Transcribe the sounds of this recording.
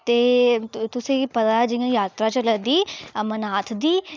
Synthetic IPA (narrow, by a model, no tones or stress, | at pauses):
t̪eːt̪ʊsẽːpət̪ad͡ʒɪjãːjaːt̪ɾaːt͡ʃələd̪iːmənaːt̪ʰd̪iː